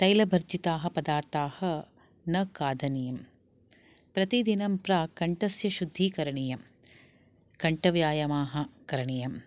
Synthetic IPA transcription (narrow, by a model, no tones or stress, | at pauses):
t̪ɐjlɐbʱɐɾd͡ʒit̪aːɦɐ̆pɐd̪aːɾt̪aːhɐ̆ | nɐkaːd̪ʱɐnijɐm | pɾɐt̪id̪inɐmpɾɐkɐɳʈɐsjɐʃud̪ʱːikɐɾɐɳijɐm | kɐɳʈɐʋjaːjɐmaːɦɐ̆kɐɾɐɳijɐm